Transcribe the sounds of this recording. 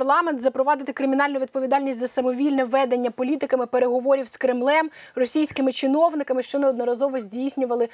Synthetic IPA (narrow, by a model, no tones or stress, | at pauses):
lˠɑmɛnt̪zɐpɾɔʋɑd̪ɪt̪ɪkɾɪmʲin̪ɑlʲnʊʋʲd̪̚pɔʋʲid̪ɑlʲnʲisʲt̪ʲzɐsɐmɔʋʲilʲnɛʋɛd̪enʲːɐpɔlʲit̪ɪkɐmɪpeɾe̞ɦɔʋɔɾʲiwskɾɪmlˠɛm | rɔsʲijsʲkɪmɪt͡ʃɪnɔwnɪkɐmɪʃt͡ʃɔnɛɔd̪nɔɾɐzɔʋɔzʲdʲijsʲnʲʊʋɐlˠɪ